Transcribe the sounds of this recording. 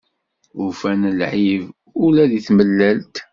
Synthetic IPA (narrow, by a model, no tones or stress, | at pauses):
ʊfænəlʕiv | ʊlæðiθməlːælt̪